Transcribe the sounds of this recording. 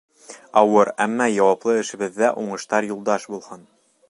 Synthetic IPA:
ɑwɤɾæmːɑjɑwɑplˠɤɘ̆ʃɘ̆βɘ̆ðːæʔuɴɤ̆ʃt̪ɑɾjulˠd̪ɑʃbulˠhɤn

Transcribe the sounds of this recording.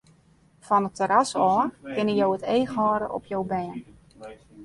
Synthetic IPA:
fɔnətʰːəɾasɔːrkɪnəjowətejxɦɔːɾəʔɔ̰pʰjowbɛːn

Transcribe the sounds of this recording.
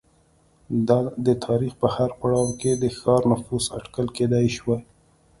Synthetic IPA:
d̪ɑd̪ət̪ʰɑɾixpəhaɾpaɽɑwked̪əxɑɾnʊfuza̰ʈkalked̪ɑjʃwaj

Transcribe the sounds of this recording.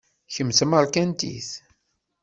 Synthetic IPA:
çəmsməɾkænt̪ḭθ

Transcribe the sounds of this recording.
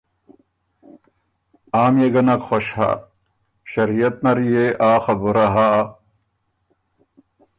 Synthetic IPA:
aːmjeɡɐnɐkxoɕha̰ | ɕɐɾijɐt̪̚nɐɾijeʔaːxɐbuɾɐɦa

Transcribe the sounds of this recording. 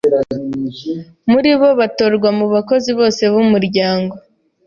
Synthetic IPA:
muɾiβo̞βato̞ɾɡwamuβako̞ziβo̞ːse̞βumuɾɟaːŋɡo̞

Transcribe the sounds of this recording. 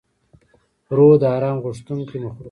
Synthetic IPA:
ɾod̪ɑːɾɑːmɣʊʂt̪uŋkiməxɾ

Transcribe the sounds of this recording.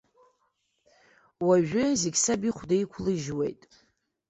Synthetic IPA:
waʒᶣʊzeɡʲsabiχʷdajkʷʰlɨʒwḛjtʼ

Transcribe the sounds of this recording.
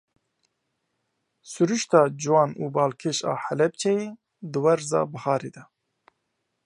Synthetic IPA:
suɾuʃt̪ɑːd͡ʒɨwɑːnuːbɑːlkʰeʃɑ̰ːħɛlɛb̚t͡ʃʰɛjeː | d̪ɨwɛɾzɑ̰ːbɨhɑːɾeːd̪ɛ

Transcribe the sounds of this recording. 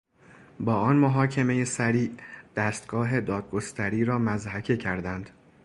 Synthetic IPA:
bɒːɒnmoɦɒːcʰe̞me̞je̞sæɾiːd̪̥æːst̪ɡ̥ɒːɦe̞d̪ɒːd̪̚ɡo̞st̪æɾiːɾɒːmæzhæcʰecʰæɾd̪ænd̪̥

